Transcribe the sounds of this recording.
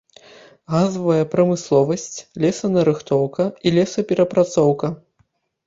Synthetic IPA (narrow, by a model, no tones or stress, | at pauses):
ɣazɐvɐjɐpɾɐmɨslˠɔvɐsʲt͡sʲlʲɛsɐnɐɾɨxt̪ɔwkɐilʲɛsɐpʲɛɾɐpɾat̪sɔwkɐ